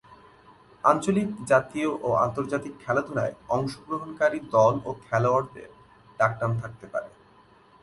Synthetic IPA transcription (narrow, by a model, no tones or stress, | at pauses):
a̰nt͡ɕolikd͡ʑat̪ioʔoa̰nt̪oɾd͡ʑat̪ikʰːɛlad̪ʱoɾa̰eɔŋʃoɡɾoɦonkaɾid̪ɔlokʰɛloaɾd̪ḛɾ | ɖak̚ʈamt̪ʰak̚t̪epa̰ɾḛ